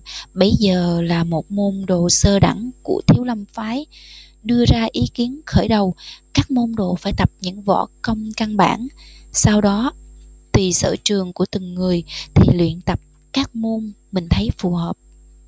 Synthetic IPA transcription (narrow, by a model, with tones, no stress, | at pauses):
ɓə˨˦jzəː˨˩laː˨˩mo˨˩t̚mo˧nɗo˨˩səː˧ɗa̰˧˩ŋku˧˩ət̪ʰi˨˦əwlə˧mfaː˨˦j | ɗɨ˧əzaː˧ʔi˨˦ki˨˦ənxəː˧˩jɗə˨˩wkaː˦˥k̚mo˧nɗo˨˩faː˧˩jt̪ə˨˩p̚ɲɨ̰˧˥ŋvɔ̰˧˥kə˧wŋ͡mka˧nɓa̰ː˧˩nsaː˧wɗɔ˨˦t̪i˨˩sə̰ː˧˩t͡ɕɨ˨˩əŋku˧˩ət̪ɨ˨˩ŋːɨ˨˩əjt̪ʰi˨˩lwḭ˧˨ənt̪ə˨˩p̚ | kaː˦˥k̚mo˧n | mï˨˩ŋ̟t̪ʰə˨˦jfu˨˩həː˨˩p̚